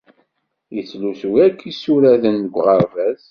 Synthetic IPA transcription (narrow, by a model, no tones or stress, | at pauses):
jət͡sːluθwækʰːisuɾæðənːəɡʷʁəɾvæz